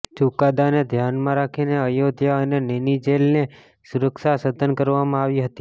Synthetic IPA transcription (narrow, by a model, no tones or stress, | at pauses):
t͡ʃukad̪aned̪ʱjanmãɾakʰineəjod̪ʱjaənenenid͡ʒelne | suɾəkʃasəd̪ʱənkəɾʋamãaʋiɦət̪i̥